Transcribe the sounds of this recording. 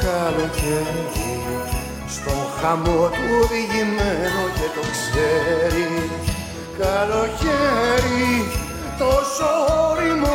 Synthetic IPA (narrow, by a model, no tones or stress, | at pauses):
kɐlo̞ceɾi | st̪o̞xɐmo̞t̪uoðiʝimenocet̪o̞kseɾi | kɐlo̞çeɾi | t̪osoɾimo